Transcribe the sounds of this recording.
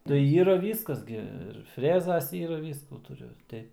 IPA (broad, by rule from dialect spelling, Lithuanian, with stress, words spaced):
tɐɪ ˈiːrɐ ˈʋʲiːskɐs ɡʲɪ ɪr ˈfʲrʲæːzɐs ˈiːrɐ ˈʋʲiːskuː tʊˈrʲʊ